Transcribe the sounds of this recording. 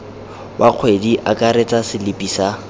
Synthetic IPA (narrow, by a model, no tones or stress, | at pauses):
wʔaq͡χʰwediʔakʼaɾet͡sʼasɪlɪpʼisa